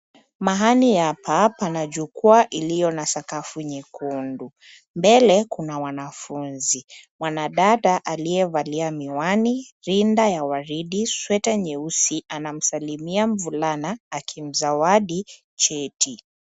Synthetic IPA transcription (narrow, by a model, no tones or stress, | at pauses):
maɦanijapʰapanaʄukuaʔilijɔnasakafuɲikundu | mbɛlɛkunawanafunzimwanaɗaɗaʔalijɛvaliamiwaniɾindajawaɾiɗiswɛtaɲɛusiʔanam̩salimiam̩vulanaːkʰim̩zawaɗi | t͡ʃɛtʰi